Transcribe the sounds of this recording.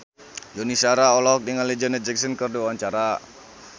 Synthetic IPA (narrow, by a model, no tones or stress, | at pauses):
jonisaɾaɔlɔɦɔk̚diŋalid͡ʒənɛd͡ʒɛksənkərduwawaɲt͡ʃaɾa